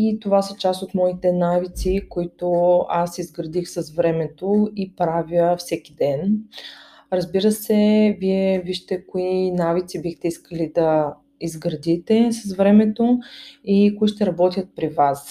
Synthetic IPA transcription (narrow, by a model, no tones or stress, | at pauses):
it̪ovasɐt͡ʃast̪ot̪mɔit̪ɛnavit̪sikoit̪oasizɡɾəd̪ixsəsvɾɛmɛt̪oipɾavʲjəfsɛk̟id̪ɛn | ɾɐzbiɾəsɛviɛviʃt̪ɛkoinavit̪sibixt̪ɛiskəlid̪ɐ | izɡɾɐd̪it̪ɛsɐsvɾɛmɛt̪oikoiʃt̪ɛɾɐbɔt̪ʲjət̪̚pɾivas